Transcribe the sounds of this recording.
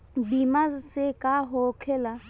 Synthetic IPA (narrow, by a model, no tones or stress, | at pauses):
bimasɪkʼaɦɔkʰɛla